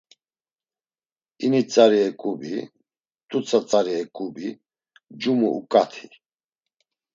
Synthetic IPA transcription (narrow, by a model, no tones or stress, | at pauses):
init͡sʼaɾiɛkʼubi | t̪ʼut͡sʰʼat͡sʼaɾiɛkʼubi | d͡ʒumṵʔṵkʼat̪ʰi